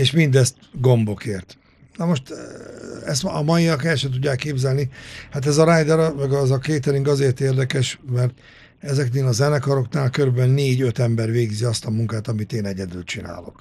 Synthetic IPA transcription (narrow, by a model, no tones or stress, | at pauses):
eːʃmind̪ɛst̪ɡo̞mbo̞keːrt̪ | nɒmo̞ʃt̪ | ɛst̪ɒ̰mɒjiɒkɛlʃɛt̪uɟːaːkːeːbzɛlnihat̪ɛzɒɾaːjd̪ɛɾmɛɡɒzɒkeːt̪ɛɾiŋkɒzeːrt̪eːrd̪ɛkɛʃmɛrt̪ | ɛzɛkneːlɒzɛnɛkɒɾo̞knaːlkøɾybɛnːeːɟøt̪ɛmbɛrʋeːɡziɒst̪ɒmuŋkaːt̪ɒmit̪eːnɛɟɛd̪ylt͡ʃina̰ːlo̞̰k